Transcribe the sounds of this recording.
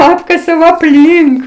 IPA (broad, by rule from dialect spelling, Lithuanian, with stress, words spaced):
ˈɑːpkɐsʲɛʊ ɐpʲˈlʲiːŋk